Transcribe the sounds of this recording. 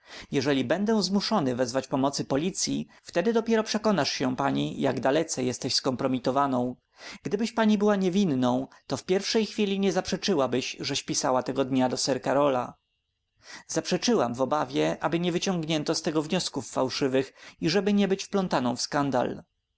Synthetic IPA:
jɛʐɛlʲibɛnd̪ɛ̃zmuʂɔnɘvɛzvat͡ɕpɔmɔt̪sɘpɔlʲit̪sʲjḭ | ft̪ɛd̪ɘd̪ɔpʲjɛɾɔpʂɛkɔnaʂɕɛpaɲijaɡd̪alɛt̪sɛjɛst̪ɛɕskɔmpɾɔmʲit̪ɔvanɔ̃w̃ | ɡ̥d̪ɘbɘɕpaɲibɘwaɲɛvʲinːɔ̃w̃t̪ɔfpʲjɛɾfʂɛjxfʲilʲiɲɛzapʂɛt͡ʂɘwabɘɕʐɛɕpʲisawat̪ɛɡɔd̪ɲad̪ɔsɛɾkaɾɔla̰ | z̥apʂɛt͡ʂɘwamvɔbavʲjɛʔabɘɲɛvɘt͡ɕɔ̃ŋɡɲɛnt̪ɔst̪ɛɡɔvɲɔskufːawʂɘvɘxiʐɛbɘɲɛbɘt͡ɕfplɔnt̪anɔ̃w̃fskand̪a̰l

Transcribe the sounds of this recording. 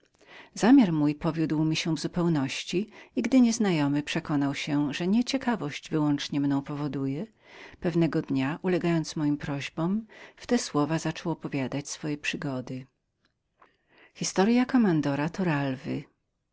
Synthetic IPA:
zamʲjaɾmujpɔvʲjud̪wmʲiɕɛvzupɛwnɔɕt͡ɕiiɡd̪ɘɲɛznajɔmɘpʂɛkɔn̪awɕɛʐɛɲɛt͡ɕɛkavɔɕd͡ʑvɘwɔnt͡ʂɲɛmnɔ̃w̃pɔvɔd̪ujɛ | pɛvnɛɡɔd̪ɲaʔulɛɡajɔnt̪smɔjimpɾɔʑbɔmft̪ɛswɔvazat͡ʂɔwɔpɔvʲjad̪at͡ɕsfɔjɛpʂɘɡɔd̪ɘ | xʲist̪ɔɾjakɔmand̪ɔɾat̪ɔɾalvɘ

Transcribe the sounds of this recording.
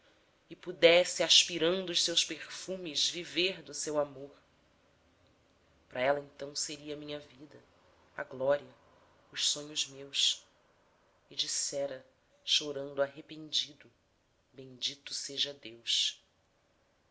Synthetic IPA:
ɪpud̪ɛsɪaʃpiɾɐ̃nd̪ʊʊʃsewʃpeχfũmɪzviveɾd̪ʊsewamoɾ | pɾɐɛlɐẽnt̪ɐ̃w̃seɾiɐmĩɲɐvid̪ɐ | ɐ̰ɡlɔɾiɐ | ʊʃsõɲʊzmews | ɪd͡ʒisɛɾɐ | ʃoɾɐ̃nd̪ʊaɦepẽnd͡ʒid̪ʊ | bẽj̃d͡ʒit̪ʊ̥seʒɐd̪ewʃ

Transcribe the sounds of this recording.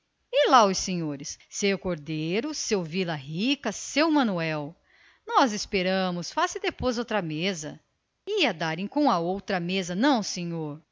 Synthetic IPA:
ɪlaʊsẽɲoɾɪssewkoɾd̪ejɾʊsewvilɐɦikɐsewmɐ̃nuɛw | nɔzɪspeɾɐ̃mʊsfasɪd̪epojzowt̪ɾɐmezɐ̰ | iɐd̪aɾẽj̃kõw̃ɐowt̪ɾɐmezɐnɐ̃w̃sẽɲoɾ

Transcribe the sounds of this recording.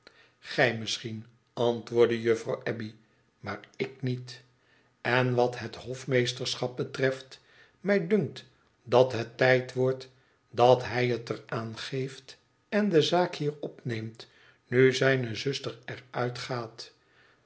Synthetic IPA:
χɛjməsχin | ɑntʋʊːɹdəjɵfrɑwʔɛbi | maːɹɪk̚nit | ɛnʋɑtɦəthɔfmejstəɹsχɑp̚bətrɛft | mɛjdɵŋk̚t | dɑtɦətːɛjtʋɔɹt | dɑtɦɛjətəraːnχejft | ɛndəzaːkhiːrɔpnejmt | nyzɛjnəzɵstəɹɛrœɥtχaːt

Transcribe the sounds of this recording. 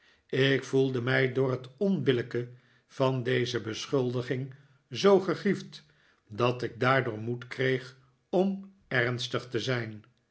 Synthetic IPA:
ɪkfulˠdəmɛjdʊːrɦətɔnbɪləkə | v̥ɑndejzəbəsχʏlˠdəχɪŋ | zowχəχift | dɑtɪɡ̚daːɹdʊːɹmutkrejχ | ɔm | ɛʁnstəχtəzɛjn

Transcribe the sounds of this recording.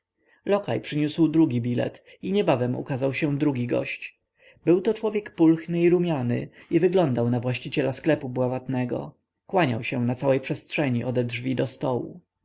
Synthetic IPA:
lɔkajpʂɘɲuswd̪ɾuɡʲibʲilɛ̰t̪ | iɲɛbavɛmṵkazawɕɛ̃d̪ɾuɡʲiɡɔ̰ɕt͡ɕ | bɘwt̪ɔt͡ʂwɔvʲjɛkpulxnɘiɾumʲjanɘ̰ivɘɡlɔnd̪awnavwaɕt͡ɕit͡ɕɛlasklɛpubwavat̪nɛɡɔ̰ | kwaɲa̰wɕɛnat̪sawɛjpʂɛst̪ʂɛɲiʔɔd̪ɛd̪ʐvʲid̪ɔst̪ɔwṵ

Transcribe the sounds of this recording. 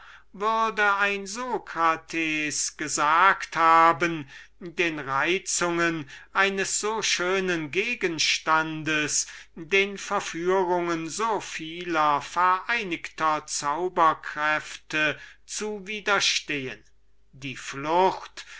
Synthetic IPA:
vʏʁdəaɪnzoːkʁatʰɛːsɡ̥əzaːkthaːbəndeːnʁaɪt͡sʊŋənʔaɪnəsz̥oːʃøːnənɡeːɡənʃtandəsdeːnfɛɐfyːʁʊŋənzoːfiːlɐfɛɐʔaɪnɪktʰɐt͡saʊbɐkʁ̥ɛftʰət͡suviːdɐʃteːə̰n | diːflʊxt

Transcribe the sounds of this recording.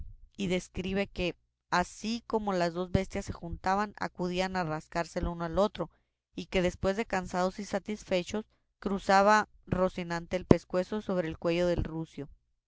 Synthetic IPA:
iðe̞skɾiβ̞e̞ke̞ | asiko̞mo̞lazðo̞zbe̞st̪jasːe̞xunt̪aβana̰kuð̞ianaraskaɾse̞lunoalo̞t̪ɾo̞ | ike̞ðe̞spwe̞zðe̞kansað̞o̞sisat̪isfe̞t͡ʃo̞s | kɾusaβaro̞sinãnt̪e̞ːlpe̞skwe̞so̞so̞β̞ɾe̞ːlkwe̞ʝo̞ðe̞lrusjo̞

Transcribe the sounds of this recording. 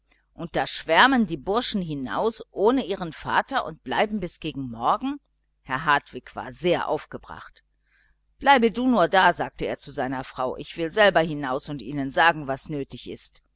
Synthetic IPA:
ʔʊnt̚d̥aːʃv̥ɛɐməndiːbʊɐʃn̩ɦɪna̰ʊsʔoːnəʔiːʁ̞ənfa̰ːtɐʔʊ̰nt̚b̥la̰ɪbm̩bɪsɡ̥eːɡŋ̩mɔɐɡŋ̩ | hɛɐɦatv̥ɪkv̥a̰ːɐzeːɐʔa̰ʊfɡ̥əbʁa̰χt | b̥laɪbəduːnuːɐdaːzaːk̚təḛːɐt͡suzaɪnɐfʁ̥aʊʔɪçv̥ɪlzɛlbɐhɪnaʊsʊntʔiːnənzaːɡŋ̩vasnøːtɪçɪ̰st

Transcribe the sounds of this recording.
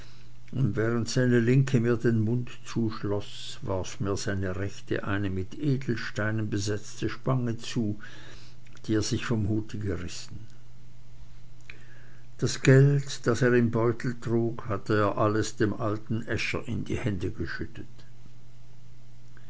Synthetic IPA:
ʔʊntvɛːʁəntz̥aɪnəlɪŋkʰəmiːɐdenmʊntt͡suːʃlɔs | vaʁfmiːɐz̥aɪnəʁɛçtʰə̰ʔaɪnəmɪtʔeːdl̩ʃtaɪnənbəzɛt͡stʰəʃpaŋət͡suː | d̥iːeːɐz̥ɪçfɔmhuːtʰəɡəʁɪsn̩ | d̥asɡ̥ɛltd̥aseːɐʁɪmbɔʏtʰl̩tʁ̥uːkhatəeːɐʔaləsd̥eːmʔaltn̩ʔɛʃɐ̰ʔɪndḭːhɛndəɡəʃʏtət

